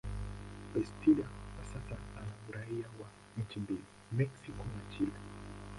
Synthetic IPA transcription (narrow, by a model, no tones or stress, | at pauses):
bɛstʰiɾanasasaanamuɾaiawa | ɲ̩t͡ʃimbili | mɛksikɔnat͡ʃila